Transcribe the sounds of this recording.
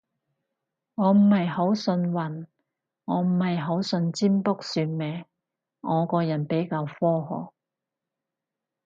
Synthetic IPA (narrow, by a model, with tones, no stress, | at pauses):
ŋɔː˨˧m̩˨˩hɐ˨jho˨˥wsɵ˧nwɐ˨˩n | ŋɔː˨˧m̩˨˩hɐ˨jɦo˨˥wsɵ˧nt͡siː˥mpʊ˥k̚syː˧n̚mɛː˨˧ | ŋɔː˨˧kɔː˧jɐ˨˩npe˨˥jkaː˧wfɔː˥ɦɔ̰ː˨˩k̚